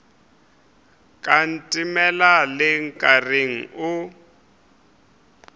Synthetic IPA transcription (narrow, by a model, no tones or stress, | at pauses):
kʼan̩tʼimɛlalɪŋ̩kʼareŋ̩ʊ